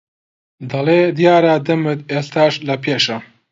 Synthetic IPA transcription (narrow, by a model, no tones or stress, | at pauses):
d̪ɐleːd̪ijaːɾaːd̪ɐmɨt̪eːst̪aːʃlɐpʰeːʃɐ